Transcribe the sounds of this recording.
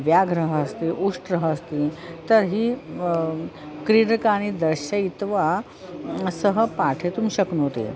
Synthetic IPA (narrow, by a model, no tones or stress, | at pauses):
ʋjaɡɾəɦəːst̪iːʔuʂʈɾəɦəːst̪iːt̪əɾɦiː | kɾiɽkaɽ̃id̪əɾɕəit̪ʋa | səɦəpaʈʰet̪uːmɕəknot̪ḛ